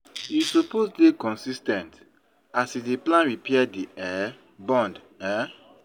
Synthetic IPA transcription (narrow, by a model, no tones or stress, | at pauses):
jisoposdekɔ̃nsistɛ̃nt | asideplãnɹipɛadiɛ | bɔ̃nd | ɛ